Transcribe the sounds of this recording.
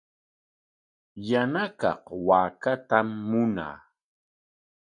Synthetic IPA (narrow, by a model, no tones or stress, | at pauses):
janakɑ̰hwaːkat̪amːʊna̰ː